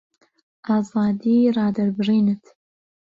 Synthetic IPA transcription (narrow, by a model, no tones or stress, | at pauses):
ɑːzɑːd̪iːrɑːdɐrbɨʐiːnɨtʰ